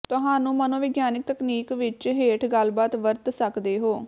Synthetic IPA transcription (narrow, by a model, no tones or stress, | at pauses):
t̪ʊɦaːnũːmənõːʋɪɡjaːnɪk̚t̪əkniːkʋɪt͡ʃɦeːʈʰɡəlbaːt̪ʋəɾt̪səkd̪eːɦoː